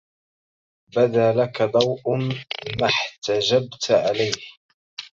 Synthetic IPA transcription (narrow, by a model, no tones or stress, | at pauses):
bad̪aːlakad̪ˤɑwʔʊmaħt̪ad͡ʒabt̪ʕalajh